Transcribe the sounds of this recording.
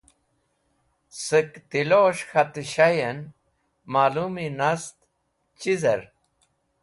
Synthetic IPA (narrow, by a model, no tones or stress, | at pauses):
səkt̪iloːɕxɐt̪iɕajɐn | maːluminɐst̪ | t͡ɕizɐɾ